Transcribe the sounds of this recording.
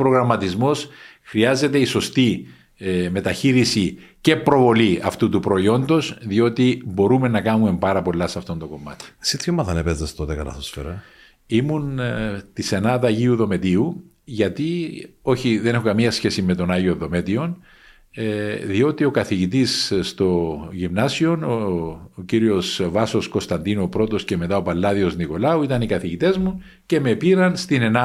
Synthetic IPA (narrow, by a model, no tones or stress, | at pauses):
pɾo̞ɣɾɐmːɐt̪izmo̞s | xɾiɐze̞t̪e̞iso̞st̪i | me̞t̪ɐçiɾisice̞pɾo̞vo̞liɐft̪ut̪upɾo̞io̞nd̪o̞sðio̞t̪ibo̞ɾumenːɐkɐnume̞mbɐɾɐpo̞lːɐsɐft̪o̞nd̪oko̞mːɐ̰t̪i̥esit̪ʰçomːɐðɐnepezd̪est̪ot̪ekɐ̰lɐ̰θosfeɾɐ | imunt̪ise̞nɐðɐʝiuðo̞me̞t̪iu | ʝɐt̪io̞çiðenexo̞kɐmiɐsçe̞sime̞t̪o̞nɐʝio̞ðo̞me̞t̪io̞n | ðio̞t̪io̞kɐθiʝit̪isst̪o̞ʝimnɐsio̞nociɾio̞svɐso̞sko̞st̪ɐnd̪inuopɾo̞t̪o̞sce̞me̞t̪ɐopɐlːɐðio̞zniko̞lɐuit̪ɐnikɐθiʝit̪e̞zmu | ce̞mepiɾɐnst̪ine̞nɐ